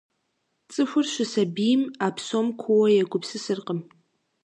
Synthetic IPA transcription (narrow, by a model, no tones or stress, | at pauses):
t͡sʼɨɕʷʊrʃʷɪsabijmapʰsomkʷʰuwɐjaɡʷʊpsɨsɨrqʼəm